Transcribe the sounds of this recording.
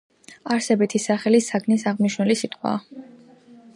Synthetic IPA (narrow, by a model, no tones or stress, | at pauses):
aɾsɛbit̪ʰisaχɛlisakʰnisaʁniʃnulisit̪ʼqʼwa̰ː